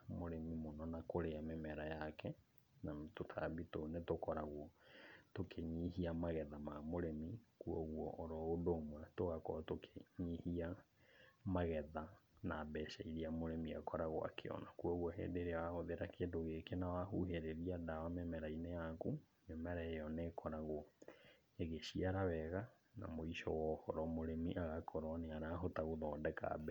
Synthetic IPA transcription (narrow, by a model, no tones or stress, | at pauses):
moɾemimonɔnakoɾeamemɛɾajakɛ | namtotʰa̰bitonetokɔɾaɣwɔtokʰeɲiɦiamaɣɛðamamoɾemikuɔɣwɔ̰ʔːɾɔodoːmwɛtoɣakɔɾatokʰe̥ɲihia | maɣɛðanabɛʃaiɾiamoɾemiakɔɾaɣwa̰kʰḛɔ̰nakuɔɣwɔɦḛːndeɾeawaɣoðeɾakendoɣekenawahuɦeɾeɾiadawamemɛɾainejakumemɛɾaejɔnekʰɔɾaɣoɔ | eɣeɕiaɾaβɛɣa | na̰moiʃɔ̰wɔhɔɾɔmoɾemiʔaɣakʰɔɾɔneaɾaːɦotaɣoðɔːndɛka̰bɛ